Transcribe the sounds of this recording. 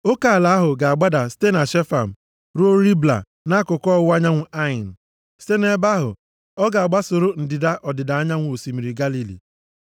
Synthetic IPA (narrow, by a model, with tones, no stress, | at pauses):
o˦ka˨a˨la˨˦a˦ɦʊ˨ɡa˨a˨ɡ͡ba˦da˨ste˦na˨ʃe˦fa˨m̩˨ | ɾu˦o˦ɾi˦bla̰˨ | na˦kʊ˨kɔ˦˨wʊ˦a˦ɲa˦ŋʷʊ˦ʔa˦ɪ˨n̩˨ | ste˦ne˦ba˦ɦʊ̰˨ | ɔ˦ɡa˨a˨ɡ͡ba˦sʊ˨ɾʊ˦n̩˨dɪ˨da˦ʔɔ˨dɪ˨da˨a˦ɲa˦ŋʷ˨o˨si˨mi˨ɾi˨ɡa˦li˨lḭ˨